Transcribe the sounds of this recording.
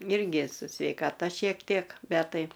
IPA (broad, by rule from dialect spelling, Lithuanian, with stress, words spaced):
ˈɪrʲɡʲɪ sʊ sʲʋʲɛɪkɐˈtɐ ʃʲiɛk ˈtʲiɛk ˈbʲɛt ˈtɐɪ